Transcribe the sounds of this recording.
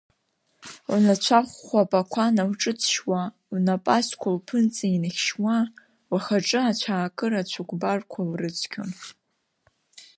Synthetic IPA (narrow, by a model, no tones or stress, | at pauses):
wnat͡ɕʷʰaχʷːapʼakʷʰanawʈ͡ʂʼɨt͡sʰʃwa | wnapʼaskʷʰalpʰɨnt͡sʼainɨχʲʃwa | waχaʈ͡ʂʼɨat͡ɕʷʰaːkʼɨɾat͡ɕʷʰukʷʼbarkʷʰalrɨt͡sʰkʲʰo̰n